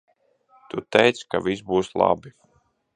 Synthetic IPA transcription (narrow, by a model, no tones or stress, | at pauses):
t̪ut̪ɛjt̪skavisbuːslˠa̰bi